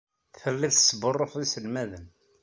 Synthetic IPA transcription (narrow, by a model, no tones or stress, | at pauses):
θfəlːið̥sˤːbərˤːofðisəlmæðən